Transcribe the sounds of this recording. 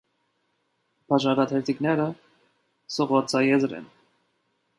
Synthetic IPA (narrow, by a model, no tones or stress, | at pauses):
pʰɑʒɑɾɑt̪ʰɛɾt̪ʰiknɛɾə | sɔʁvɑt͡sʰɑjɛzɾɛ̰n